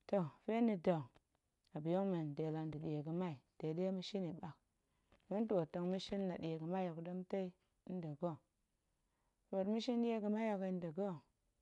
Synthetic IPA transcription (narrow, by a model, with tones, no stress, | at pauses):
to˨fe˦ni˨do˨ŋ | a˨bi˨jo˦ŋme˨nde˨la˨n˦di˨ɗi˨je˨ɡə˨ma˦i˨de˨de˦mi˦ʃi˦ni˨ɓa˨k | mu˦ntːto˨ŋmi˦ʃi˦n˦la˨ɗi˨e˨ɡə˨ma˦jo˨kdə˦mte˦i˦ | də˨ɡo˦ | fo˨tmi˦ʃi˦n˦ɗi˦je˦ɡə˨ma˦jo˨kn˦də˨ɡo˦